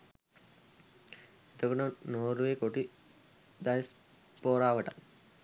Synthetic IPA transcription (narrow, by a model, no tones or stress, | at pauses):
et̪okonənoːɾuʋekoʈi | d̪ajis | poːɾaːʋəʈak